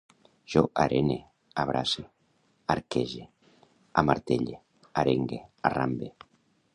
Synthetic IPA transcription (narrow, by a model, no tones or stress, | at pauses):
ʒ̥oʔaɾʔene | aβɾʔase | aɾkeʒe | amaɾt̪eʎe | aɾeŋɡearambe